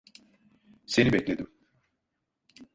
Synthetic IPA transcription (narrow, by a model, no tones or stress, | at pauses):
senibɛclʲed̪im